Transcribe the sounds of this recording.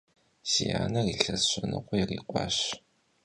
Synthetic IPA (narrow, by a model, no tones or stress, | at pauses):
sija̰ːnɐriɬɐɕʷʼɐnɨ̰qʷɔjɪrḭːqʷɑːɕ